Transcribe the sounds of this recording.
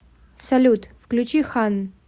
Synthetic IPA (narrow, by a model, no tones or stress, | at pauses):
sɐlʲut̪fklʲut͡ɕixan